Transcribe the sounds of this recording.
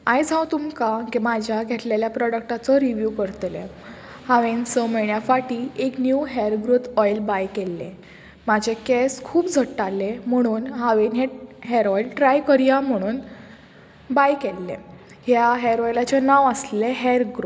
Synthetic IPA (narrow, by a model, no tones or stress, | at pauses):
ajd͡zʱãwt̪umkaɡmad͡ʑʱjaɡʱet̪leljapɾɔɽəkʈat͡sɔɾiʋjukəɾt̪lḛ | haʋensəməɳjafaʈiːeknjuːɦeɾɡɾut̪ɔjlbajkelːḛ̃ | mad͡ʑʱekeskʰuːpd͡zʱəʈːalːem̤əɽ̃uːnɦaʋenɦeɦeɾɔjlʈɾajkəɾjam̤əɽ̃uːn | bajkelːḛ̃ | hjaɦeɾɔjlat͡ɕenaʋəsleɦeɾɡɾu